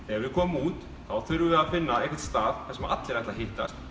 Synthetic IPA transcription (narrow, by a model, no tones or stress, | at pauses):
ɛvɪðkʰɔːmuːt̪ | θawθʏɾʏvɪðaðfɪnːaɛhkcɛt̪st̪aːðθɛsɛmaat̪lɪɾɛht̪lahɦɪht̪ast̪